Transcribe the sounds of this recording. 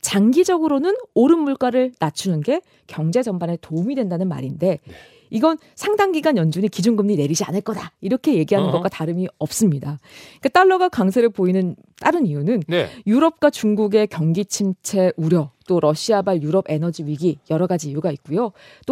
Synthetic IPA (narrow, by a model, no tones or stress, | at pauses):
t͡ɕaŋɡid͡ʑʌɡɯɾonɯnoɾɯnmuɭk͈aɾɯɭnat͡ɕʰunɯnɡe̞ | kjʌŋd͡ʑe̞d͡ʑʌmbane̞toumidwe̞ndanɯnma̰ɾinde̞ | iɡʌn | sʰaŋdaŋɡiɡanjʌnd͡ʑuɲikid͡ʑunɡɯmɲine̞ɾid͡ʑia̰nɯɭk͈ʌdaiɾʌkʰe̞je̞ɡiɦanɯnɡʌk͈wataɾɯmiʌp̚s͈ɯmɲidaik͈at͈aɭːʌɡakaŋs̬ʰe̞ɾɯɭpoinɯn | t͈aɾɯnijunɯnjuɾʌp̚k͈wat͡ɕuŋɡuɡe̞kjʌŋɡit͡ɕʰimt͡ɕʰe̞ʔuɾjʌt͈oɾʌɕʰiabaɭjuɾʌbe̞nʌd͡ʑiɥiɡijʌɾʌɡad͡ʑiːjuɡait̚k͈ujo | t͈o